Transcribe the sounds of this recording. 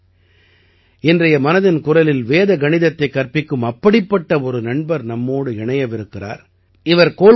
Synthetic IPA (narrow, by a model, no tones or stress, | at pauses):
ɪndrɐjɐmɐnɐðɪnkʊrɐlɪlʋeːðɐɡɐɳɪðɐt̪ːɐɪkːɐrpɪkːɯmɐpːɐɽɪpːɐʈːɐɔɾɯnɐɳbɐɾnɐmːoːɽɯɪɳɐjɐʋɪɾɯkːɪra̰ːɾ | ɪʋɐɾkoː